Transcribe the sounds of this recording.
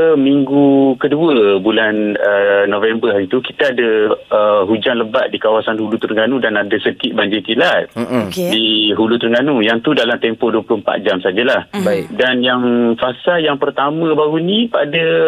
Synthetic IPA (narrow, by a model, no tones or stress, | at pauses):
əmiŋɡukəduəbulanənõvɛmbəɦaɾit̪uki̥t̪aadaəɦud͡ʒaŋləbat̪̚dikawasanhulut̪uɾəŋɡanudanadasəkɪt̪̚baɲd͡ʒik̪ilat̪̚kdiɦulut̪uɾəŋɡanujaŋt̪udalamt̪ɛmpɔhduəplʊhəmpa̰t̪̚d͡ʒamsad͡ʒalahbadanjaŋfasaljaŋpərt̪amə̃baɾunĩpadə